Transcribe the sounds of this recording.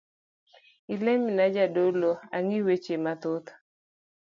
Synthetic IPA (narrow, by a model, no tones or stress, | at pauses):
ileminad͡ʒadoloaŋiwet͡ʃemat̪ʊt̪